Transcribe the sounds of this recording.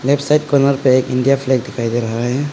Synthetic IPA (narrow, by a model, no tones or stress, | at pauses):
lɛpsaɪʈ̚kɔnəɾpeeːkɪ̃ɳɖijapʰleɡ̚d̪ɪkʰaid̪eɾɐɦaɦɛ